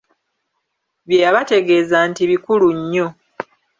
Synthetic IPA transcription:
βjejaβate̞ɡe̞ːzantiβikuluɲːo̞

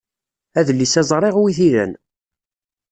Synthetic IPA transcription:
æðlːisæzˤɾˤeʁwiθiɾæ̰n

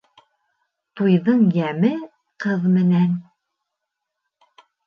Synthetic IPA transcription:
t̪ujðɤɴjæmɘ | qɤðmɘ̆næn

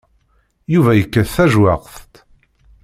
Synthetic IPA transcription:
juvæjəkːəθθæʒwæqθt̪

